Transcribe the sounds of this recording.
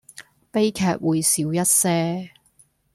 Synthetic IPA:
pe˥jkʰɛː˧t̚wuː˨˧jsiː˨˧wjɐ˥t̚sɛː˥

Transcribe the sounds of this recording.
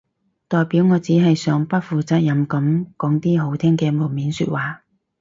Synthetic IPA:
t̪ɔː˨jpiː˨˥wŋɔː˨˧t͡siː˨˥ɦɐ˨jsœː˨˥ŋpɐ˥t̚fuː˨˩t͡saː˨t̚jɐ˨˥mkɐ˨˧˥mkɔː˨˥ŋt̪iː˥ɦo˨˥wt̪ʰɛː˥ŋkɛː˧mo˨˩miː˨˥nsy̰˧t̚waː˨

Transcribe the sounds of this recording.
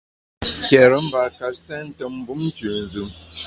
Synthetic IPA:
kɛ˨ɾə˦m̩˦ba˨ka˨sɛ˦n̩˦tə˦m̩˦bu˦m̩˦t͡ʃʉ˨n̩˨zɨ˨m

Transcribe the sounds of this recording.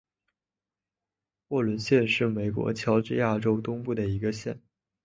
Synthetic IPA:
wɔ˥˩lwə˧˥nɕjɛ˥˧nʂɻ̩˥˩me˨˩ɪkwɔ̰˧˥t͡ɕʰjɑ˧˥ʊʈ͡ʂɻ̩˥˧ja˥˩ʈ͡ʂo˥ʊt̪ʊ˥ŋpu˥˩d̪ə˩i˧˥ɡə˧ɕjɛ˥˩n

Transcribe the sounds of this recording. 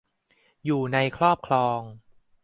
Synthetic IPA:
juː˨˩na˧jkʰɾɔː˥˩p̚kʰlɔː˧ŋ

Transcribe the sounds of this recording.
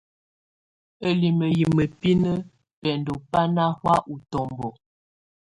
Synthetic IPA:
ə˦li˨mə˨ji˨mə˨pi˦nə˦ | pɛ˨n˨dɔ˨pa˦na˦hwa˦ʔu˨tɔ˨mbɔ˨

